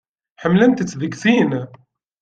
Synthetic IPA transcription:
ħəmːlənt̪ət͡sːðəɡθiːn

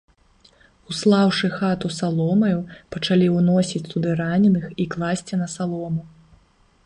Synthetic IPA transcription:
uslˠawʂɨxat̪usalˠɔmɐjupɐt͡ʂalʲiwnɔsʲit͡sʲsud̪ɨɾanʲɛnɨxiklˠasʲt͡sʲinɐsalˠɔmu

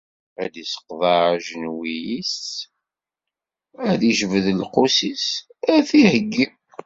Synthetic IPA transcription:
æ̰d̪isə̥qðˤɑɾaʒənwijis | æðiʒəvəðəlqosisæθihəɡːi

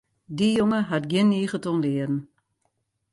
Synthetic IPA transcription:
dijoŋəɦatɡjɪnːiːɣətonlɪədən̩

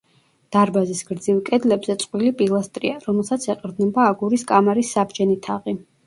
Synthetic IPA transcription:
d̪̥aɾbazisɡɾd̪zivkʼɛd̪lɛbzɛt̪sʼqʼwilipʼilˠast̪ʼɾḭaɾɔmɛlˠsat̪sʰɛqʼɾd̪nɛbaːɡuɾiskʼamaɾisːabd͡ʒɛnit̪ʰaʁi

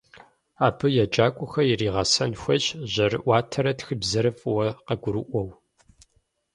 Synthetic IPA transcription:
aːbʰɨjɛd͡ʒaːkʷʼʊxɐjiriːʁɐsɐnxʷɐt͡ʃʼʑɐrɨʔʷaːtʰɐɾɐtxɨbzɐɾɨfʼwɐqɐɡʷʊɾɨʔʷɔw

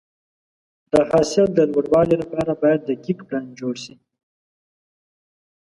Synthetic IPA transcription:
d̪̥əhɑsɪld̪əlwaɽwɑlilapɑɾabɑjad̪ːəkikpland͡ʒoɽʃi

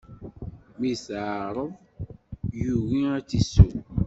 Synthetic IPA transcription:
misaːɾəv | juɣiatiso

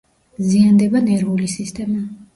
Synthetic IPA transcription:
ziand̪ɛbanɛɾvulisist̪ʰʼɛma

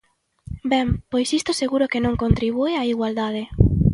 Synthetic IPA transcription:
bɛmpojsist̪oseɣuɾokenõŋkont̪ɾiβ̞ueaiɣwald̪aðe

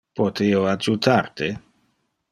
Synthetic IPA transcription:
pot̪ʰioad͡ʒut̪ʰart̪e

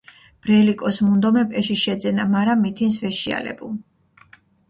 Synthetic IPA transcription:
b̥ɾɛlikʼɔsmund̪ɔmɛpʼɛʃiʃɛd̪zɛnamaɾamːit̪ʰins̬vɛʃia̰lɛ̰bulˠ

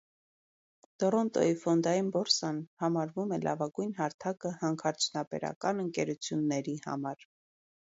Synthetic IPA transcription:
t̪ɔɾɔnt̪ɔ̰ifɔnd̪ɑjinbɔɾsɑnhɑmɑɾvumɛlʔɑ̰vɑɡujnhɑɾt̪ʰɑkəhɑŋkʰɑɾt͡sʰunɑpɛ̰ɾɑ̰kɑnəŋkɛɾut͡sʰjunːɛɾihɑ̰mɑɾ

